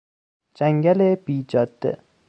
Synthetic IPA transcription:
d͡ʒaŋɡʲalebiːd͡ʒɒd̪ːɪ̰

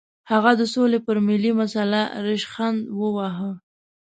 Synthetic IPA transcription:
haɣad̪əsolepəɾmɪlimasalaɾɪʃxand̪wəwaɦə

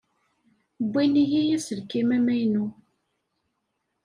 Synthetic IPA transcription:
bʷːinijijæsəlkːimæmæjnu

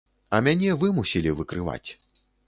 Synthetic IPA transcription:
ɐmʲanʲɛvɨmusʲilʲivɨkɾɨva̰t͡sʲ

